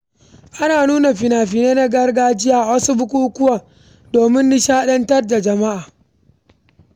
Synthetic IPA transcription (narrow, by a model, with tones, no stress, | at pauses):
ʔa˦naː˨nuː˦na˨ɸɪ˨naː˨ɸi˨neː˦na˦ɡɐ˦rɡaː˦d͡ʒɪ˦jaː˦˨wɐ˦su˦bʊ˦k̬ʷuː˦kʷʊ˦waː˨ | doː˨mɪ˦nːi˦ʃaː˦ɗɐ˦ntɐ˦rda˨d͡ʒɐ˨ma˦ʔaː˨